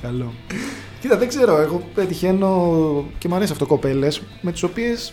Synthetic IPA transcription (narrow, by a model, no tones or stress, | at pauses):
kɐlo | cit̪ɐðe̞ɡze̞ɾo̞eɣo̞pet̪içe̞no̞cemɐɾesiɐfot̪okope̞le̞s | me̞t̪i̥sopie̞s